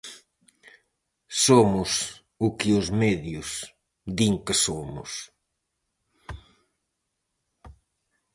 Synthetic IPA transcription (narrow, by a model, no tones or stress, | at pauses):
somʊs | ʊkɪʊzmeðjʊs | d̪iŋkɪsomʊ̰s